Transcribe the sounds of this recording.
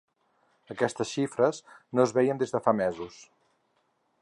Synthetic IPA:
əkɛst̪əsʃifɾəznoəzβɛjənd̪ezðəfamɛzus

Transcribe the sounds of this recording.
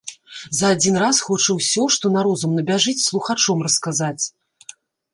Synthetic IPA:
zɐːd͡zʲinrasxɔt͡ʂɐwsʲɔʂt̪ɔnaɾɔzumnɐbʲaʐɨt͡sʲslˠuxat͡ʂɔmrɐskazat͡sʲ

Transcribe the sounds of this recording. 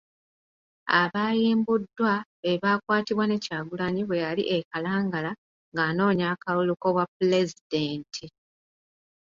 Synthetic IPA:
a̰βaːjiːmbudːwaeβaːkwaːtiβwane̞caːɡulaɲiβwe̞jalḭʔekalaːŋɡala | ŋɡaːno̞ːɲaːkaluluko̞βwapule̞zideːntʰi

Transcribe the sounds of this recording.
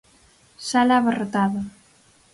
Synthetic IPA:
salaβarot̪aða

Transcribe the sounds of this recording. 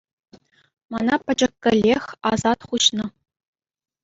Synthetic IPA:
manapʰɐd͡ʒɐkːɐlʲexazat̪χʷuɕnɨ

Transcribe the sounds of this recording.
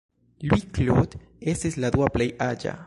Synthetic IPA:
lwiklod̪ | eseslad̪waplejʔad͡ʒa̰

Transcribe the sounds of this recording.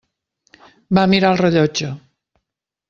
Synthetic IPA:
bamiɾalreʎot͡ʃo

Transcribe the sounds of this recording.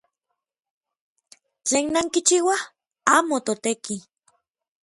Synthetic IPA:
t͡ɬeːnːaŋkit͡ʃiwa | aːmot̪ot̪eki

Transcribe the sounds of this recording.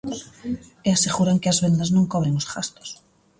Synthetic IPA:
easeɣuɾaŋkeazβend̪aznõŋkɔβ̞ɾeŋosɣast̪o̥s

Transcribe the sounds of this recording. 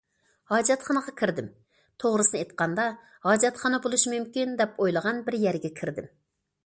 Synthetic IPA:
hɑːd͡ʒɛt̪χɑnəʁɑkʲʰiɾd̪ɪm | t̪ʰoʁɾɨsɨnɨet̪qɑnd̪ɑ | hɑːd͡ʒɛt̪χɑnɑbolˠuʃmymkʲind̪ɛpojlˠəʁɑnbɪɾjæɾɡʲɛkʲʰɪɾd̪ɪm

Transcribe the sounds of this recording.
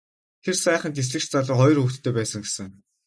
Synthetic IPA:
t̪ʰersæːχə̆nt̪es̬ɮɘ̆kt͡ɕt͡saɮɞ̆χɔjrxukt̪ːʰeːpæːsə̆ŋɡesɘ̆ŋ

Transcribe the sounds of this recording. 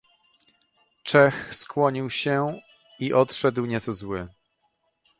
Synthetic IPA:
t͡ʂɛxskwɔɲiwɕɛ | iʔɔt̪ʂɛd̪wɲɛt̪sɔzwɘ

